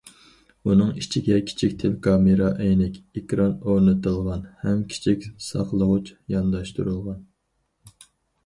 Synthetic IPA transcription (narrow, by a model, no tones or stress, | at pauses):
unɨŋit͡ʃʰiɡʲɛkʲʰi̥t͡ʃʰik̚ʲt̪ʰɪlkʰɑmɨɾɑʔɛjnɪkʲekʲɾɑnoɾnɨt̪ɨlˠʁɑnhɛmkʲʰi̥t͡ʃʰikʲsɑ̰qlˠəʁʊt͡ʃjɑnd̪ɑʃt̪uɾulˠʁɑn